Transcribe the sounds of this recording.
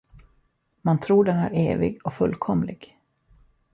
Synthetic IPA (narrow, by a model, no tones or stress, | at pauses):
mant̪ʰɾuːɖɛnæ̰ɾeːvɪ̰ɡɔfɵlːkʰɔmlɪɡ̥